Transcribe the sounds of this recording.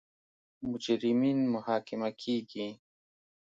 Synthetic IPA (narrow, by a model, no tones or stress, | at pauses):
mud͡ʒaɾimiːnmʊhaːkɪmakʰiːɡi